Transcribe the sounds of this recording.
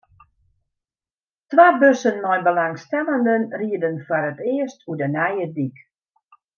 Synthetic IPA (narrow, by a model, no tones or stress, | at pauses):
tʋaːbøsənmɔjbəlaŋstɛləndənriədənfɔɾətɪəstʰudənɛjədik